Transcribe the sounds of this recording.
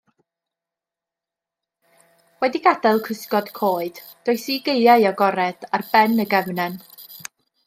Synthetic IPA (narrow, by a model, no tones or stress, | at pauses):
wɛdiɡadalˠkʰəskɔd̥kʰoːɨd̥ | d̥oɨsiːɡejaɨɔɡɔɾɛd̥arbɛnəɡɛvnɛn